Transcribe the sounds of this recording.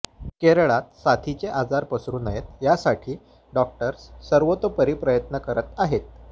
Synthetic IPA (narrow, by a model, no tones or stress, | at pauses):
keɾɭat̪̚sat̪ʰit͡ɕeʔad͡zaɾpəsɾuːnəjet̪jasaʈʰiː | ɖɔk̚ʈəɾssəɾʋot̪opəɾipɾəjət̪nəkəɾət̪aɦet̪̚